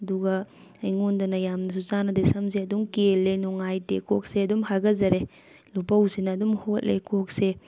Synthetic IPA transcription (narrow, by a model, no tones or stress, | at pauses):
ɐduɡɐ | ɐjŋondɐnɐjamnɐs̬ut͡ʃanɐdesɐms̬eɐdumkelːenoŋajtekʰok̚seɐdumhaɡɐzɐɾe | lupɐwsinɐːdumhot̚lḛkʰok̚se